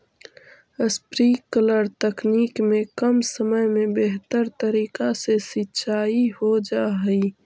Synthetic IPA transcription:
əspɾiːkələɾt̪ɛkniːkmẽkəmsəməjmẽbeɦt̪əɾt̪əɾiːkasesitːt͡ʃʰaːihod͡ʒaːɦi

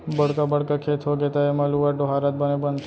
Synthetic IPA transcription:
bəɽkabəɽ̤kakʰeːt̪ʰɦoɡet̪aemɐluʋaɖoɦaːɾət̪̚bənebənt̪

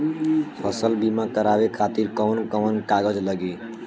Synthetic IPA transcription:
pʰəsəlbimakəɾabekʰat̪iɾkəwnkəwnkaɡəd͡ʒləɡi

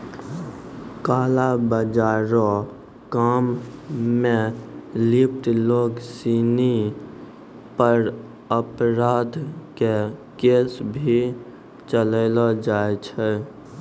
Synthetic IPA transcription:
kaːlabəd͡ʒaːɾo | kaːmː | ẽlip̚ʰʈloːɡsini | pəɾ | əpɾaːd̪ʱkekeːsbʱi | t͡ʃəleːlɔd͡ʒaːet͡ʃʰɛ

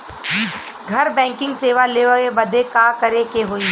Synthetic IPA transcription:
ɡʱɐɾbɛ̃ːŋkɪ̃ŋɡseːʋaleːoebɐd̪ekaːkɐɾekeɦoiː

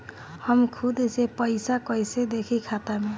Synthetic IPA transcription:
hʌmkʰud̪esʰepʌjsakʌjsed̪ekʰikʰat̪ame

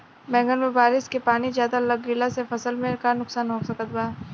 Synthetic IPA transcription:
mɛ̃ːŋɡənmẽbaːɾɪskepaːnizjaːd̪alɐɡɪlasefɐsəlmẽkanʊksaːnɦoːsɐkət̪̚baː

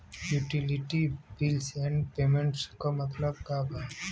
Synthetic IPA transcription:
juʈiliʈibilsɛ̃ɳɖpeːmẽɳʈskomət̪ləbkaba

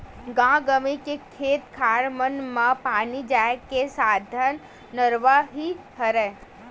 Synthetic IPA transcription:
ɡãːɡəmikekʰeːt̪kʰaːɾmənmãpaːnid͡ʒaːkːesaːd̪ʱənː | əɾʋaɦihəɾeː

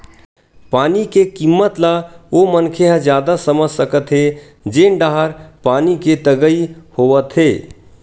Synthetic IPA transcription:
paːnikekimːət̪laomənkʰeɦad͡ʒjaːd̪asəməd͡ʒsəkət̪ɦe | d͡ʒenɖaɦəɾpaniket̪əɡəihoʋət̪ɦe

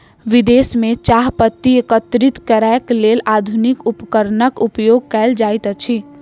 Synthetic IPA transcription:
ʋid̪esmet͡ʃaɦpət̪ːiekət̪ɾit̪kəɾaeklelad̪ʱunikupəkəɾnəkupjoɡ̚kɛɪld͡ʒajt̪ət͡ʃʰi

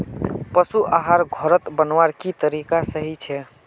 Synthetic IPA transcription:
pəsuʔaɦaɾɡʱɔɾət̪bənʋaɾkit̪əɾikasəɦit͡ʃʰɛ

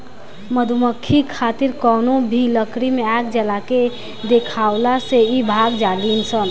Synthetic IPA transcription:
məd̪ʱuməkʰːikʰat̪iɾkɔnobʱiləkɽimeakd͡ʒɛlake | d̪ekʰaʊlaseibʱaɡd͡ʒalinsʰən

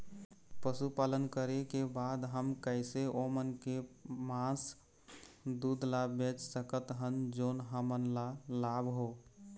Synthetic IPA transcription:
pəsupalənkəɾekebad̪ɦəmkəɪseʔomənkemas | d̪ud̪ʱlabet͡ʃsəkət̪ɦənd͡ʒoːnɦəmənlalabʱɦoː

